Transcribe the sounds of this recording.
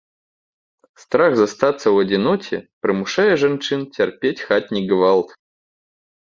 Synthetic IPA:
st̪ɾaxzɐst̪at̪səvɐdʲɪnɔkʲɪ̰pɾɨmʊʂajəʐɛnt͡ʂɨntʲɪrpʲetʲxat̚ʲnʲɪɡvalˠt̪

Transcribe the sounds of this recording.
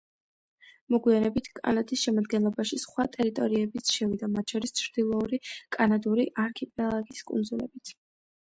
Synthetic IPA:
mɔɡwianɛbit̪ʰkʼa̰nad̪isʃɛmad̪ɡɛnlˠɔbaʃisχwat̪ʼɛɾit̪ʼɔɾiɛbit̪sʰʃɛvid̪amat̪ʰʃɔɾist͡ʃʰɾd̪̥ilˠɔuɾikʼanad̪uɾiʔaɾkʰipʼɛlˠaɡiskʼṵnd̪zulɛ̰bit̪ʰ

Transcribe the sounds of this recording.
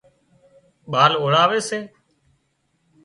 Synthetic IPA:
ɓaːloːɽaːʋeːseː

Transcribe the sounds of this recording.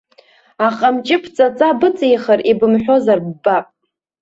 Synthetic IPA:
aqʼamt͡ʃʼɪpʰt͡sʼat͡sʼabɨt͡sʼjχaribɨmħʷᶣo̞zarbːapʼ

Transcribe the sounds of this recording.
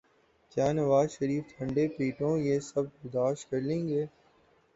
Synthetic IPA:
kjaːnɐʋaːzʃəɾiːft̪ʰɐ̃ɳɖeːpiːʈõːjeːsɐb̚bɐɾd̪aːʃkɐɾlẽːŋɡeː

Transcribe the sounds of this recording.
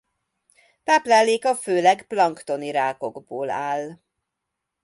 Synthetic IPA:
t̪aːplaːlːeːkɒføːlɛɡplɒŋkt̪o̞niɾaːko̞ɡboːlaːl

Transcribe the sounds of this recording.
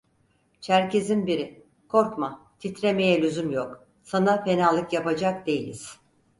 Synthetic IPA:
t͡ʃʰæɾcizinbiɾi | kʰo̞ɾkmat̪ʰit̪ɾeme̞jɛlʲyzymjok | sanape̞nalˠɯkjapad͡ʒak̚d̪e̞jilʲḭz̥

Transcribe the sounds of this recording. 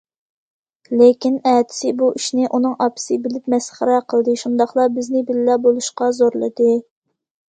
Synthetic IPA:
lekʲinɛːt̪ʰɪ̥sɪbuʔiʃnɪʔunɨŋɑpʰɪ̥sɨbɪlɪpmɛsχəɾɑqʰəlˠd̪ɨʃund̪ɑχlˠɑbɪznɪbɪllɛbolˠuʃqɑzoɾlˠɨ̰d̪ɨ

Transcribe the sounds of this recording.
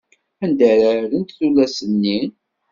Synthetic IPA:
ænd̪əɾaɾənt̪θulæsənːin

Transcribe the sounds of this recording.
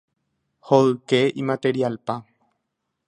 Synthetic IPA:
hoɨkeʔimat̪e̞ɾialpa

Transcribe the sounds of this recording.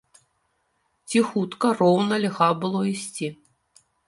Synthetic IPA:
t͡sʲixut̪kɐrɔwnɐlʲɣabɨlˠɔisʲt͡sʲi

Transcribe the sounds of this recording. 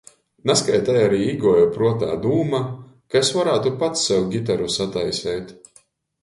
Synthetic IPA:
naskajt̪ajaɾiːiɡuɔjupɾuɔt̪a̰ːd̪uːma | kaesvaɾaːt̪upat̪sːɛwɡʲit̪̬aɾusat̪ajsɛjt̪

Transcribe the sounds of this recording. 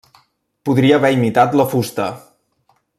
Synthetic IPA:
puðɾiəːβɛimit̪at̪ləfust̪ə

